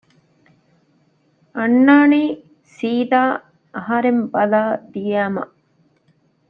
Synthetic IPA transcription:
ɐnːaːniː | siːd̪aː | ɐɦɐɾembɐlaːd̪ijæːmɐ̰ʔ

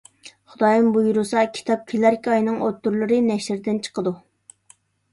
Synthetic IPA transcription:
χʊd̪ɑjɑmbujuɾusɑkʲʰi̥t̪ʰɑp̚kʲʰelæɾkʲɑjnɨŋot̪ːuɾlˠɨɾɨnɛʃɾd̪ɪnt͡ʃʰə̥qəd̪u

